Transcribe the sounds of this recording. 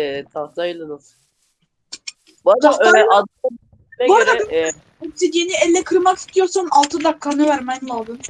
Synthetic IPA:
ɛt̪ʰaailˠad̪as | bd̪aøɾlɛad̪ | ɛboɾad̪ab | sinjeniɛlʲːɛkʰɯɾmaki̥st̪ʰijoɾsanalˠt̪ʰɯd̪ap̚kʰanɯvæɾmɛjnlˠalˠd̪ɯm

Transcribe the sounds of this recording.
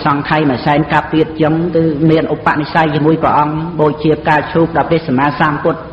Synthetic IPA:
sɑŋkʰajməsaɛnkap̚ːiət̪̚t͡ɕəŋkɨːmiənʔupːaʔnisajt͡ɕːmuəjpɾə̰ʔɑŋɓoːc̚t͡ɕiəp̚kaːt͡ɕʰuːp̚ɗɑːpeəhsamaːsaːmpʊ̆ət̪̚

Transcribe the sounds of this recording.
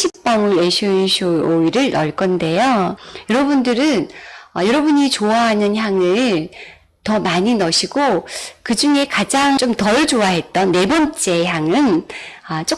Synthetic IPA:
ɕʰip̚p͈ʌŋɯɾeɕʰuɕʰuoiɾɯɭnʌɭk͈ʌnde̞jojʌɾʌbundɯɾɯnʌjʌɾʌbuɲit͡ɕoaɦanɯnçjaŋɯɭ | tʌmaɲinʌɕʰiɡokɯd͡ʑuŋe̞kad͡ʑaŋt͡ɕ͈omtʌɭd͡ʑoaɦe̞t̚t͈ʌnːe̞bʌnt͡ɕ͈e̞çjaŋɯnʌt͡ɕ͈o

